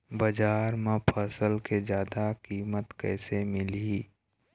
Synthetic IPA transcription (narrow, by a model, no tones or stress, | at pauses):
bəd͡ʒaːɾmãpʰəsəlked͡ʒjaːd̪akiːmət̪kɛ̰ːsemɪli